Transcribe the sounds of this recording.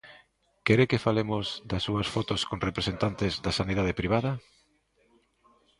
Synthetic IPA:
kɛɾekɪfalemʊzd̪ɐsːuɐsfɔt̪oskoŋrepɾesent̪ant̪ɪzðɐsaniðað̞ɪpɾiβ̞aðɐ

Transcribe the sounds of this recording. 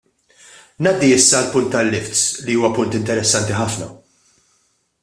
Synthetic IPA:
nɐːd̪ːiɪsːɐɐlpʊnt̪ːɐlːɪft̪sliuːwɐpʊnt̪ɪnt̪ɛɾɛsːɐnt̪iħɐfnɐ̰

